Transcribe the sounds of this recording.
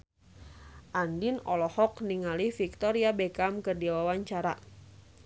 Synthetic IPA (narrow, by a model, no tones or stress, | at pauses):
ʔandinɔlɔhɔkniŋalifik̚t̪ɔɾiabɛkamkərdiawawaɲt͡ʃaɾa